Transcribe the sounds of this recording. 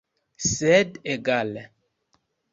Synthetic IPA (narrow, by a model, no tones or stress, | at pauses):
sɛdeɡalɛ